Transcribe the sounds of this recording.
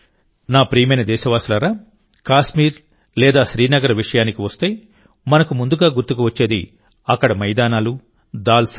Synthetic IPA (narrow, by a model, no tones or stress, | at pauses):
naːpɾiːmɐjnɐd̪ɛːʃɐʋaːsulɐɾaː | kaːʃmiːɾ | lɛːd̪aːʃɾiːnɐɡɐɾɐʋiʂɐjaːnikiʋɐst̪ej | mɐnɐkumund̪uɡaːɡuɾt̪ukuʋɐt͡ʃːe̞ːd̪ḭ | ɐkːɐɽɐmɐjd̪aːnaːlu | d̪aːls